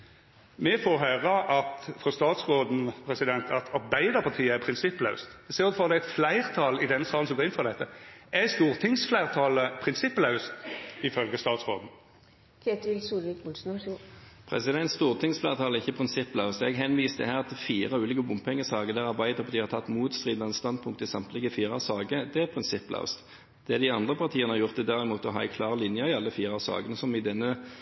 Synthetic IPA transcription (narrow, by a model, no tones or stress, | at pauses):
mɛfoːɦœːɾɑʔɑt̪fɾɔst̪ɑːt̪sʁoːd̪n̩pʰʁɛsɪd̪ɛnt̪ʰɑt̪ʰɑɾbæɪd̪əpʰɑʁt̪ʰiːəæpʰɾɪnsɪpːlɑʉst̪ɛseːʁt̪fɔʁd̪ɛæt̪flæɪʁt̪ʰɑlɪd̪ɛnsɑːl̩sɔmɡoːʁɪnfɔʁd̪ɛt̪ːəɛst̪uːʁt̪ʰɪŋsflæɪʁt̪ʰɑləpʰʁɪnsɪpːlɑʉst̪ɪfœlɡəst̪ɑːt̪sʁoːd̪n̩ | kʰet̪ɪlsuːlʋɪkʊlsn | pʰʁɛ̰sɪd̪ɛnt̪st̪uːʁt̪ʰɪŋsflæːʁt̪ʰɑːləɪçːəpʰʁɪnsɪpːlɑʉst̪ɛɡɦɛnʋiːst̪ə̰hæːʁɑt̪fiːʁɑʉːlɪːkəbʊmpɛŋːəsɑːɡəd̪æːʁɑʁbæɪd̪əʁfɔd̪iːhɑʁt̪ʰɑt̪ːmuːt̪st̪ʁiːd̪nɑnst̪ɑnd̪pʰʊŋk̚t̪əɪsɑmt̪lɪɡəfiːʁɑsɑːɡəd̪ɛæpʰʁɪnsɪpːlɑ̰ʉst̪ | d̪̥ɛd̪ɪɑnd̪ʁəpʰɑʁt̪ʰiːənəhɑɾjʊʁt̪ɪd̪æʁɪmuːt̪əɔɦɑːɛ̰ɪkʰlɑːʁlɪnjəɪɑlːəfiːʁɑsɑ̰ːɡənəsɔmɪd̪ɛnːə